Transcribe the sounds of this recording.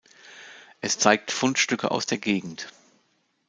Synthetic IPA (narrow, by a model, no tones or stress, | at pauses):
ʔɛst͡saɪk̚tfʊntʃtʏkʰə̰ʔa̰ʊsd̥eːɐɡeːɡŋ̩t